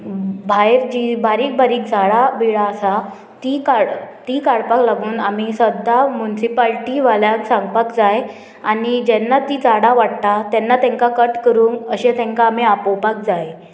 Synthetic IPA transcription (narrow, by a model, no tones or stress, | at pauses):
bʱajɾd͡ʑibaɾiːk̚baɾiːk̚d͡zaɽabiɭaːsa | t̪ikaɽt̪ikaɽpaklaɡuːnamisəd̪ʱːamunisipalʈiʋaljaksãŋɡpakd͡zaj | anid͡ʑɛnːat̪iːt͡saɽaʋaɽt̪at̪ɛnːat̪ɛ̃ŋkakəʈkəɾuːnəɕet̪ɛ̃ŋkaːmiapopak̚d͡zaj